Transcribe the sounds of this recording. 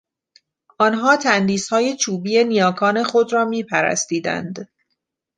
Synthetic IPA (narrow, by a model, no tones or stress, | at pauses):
ʔɒːnɦɒːt̪ʰænd̪iːshɒːje̞t͡ʃʰuːbiːje̞nijɒːkʰɒːne̞xo̞d̪ɾɒːmiːpʰæɾæ̰st̪iːd̪æ̰nd̪